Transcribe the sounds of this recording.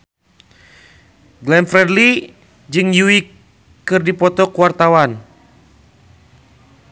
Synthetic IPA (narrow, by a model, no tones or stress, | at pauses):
ɡlɛnfɾɛdli | d͡ʒɨŋjuikː | ɨrdipɔt̪ɔkuwart̪awan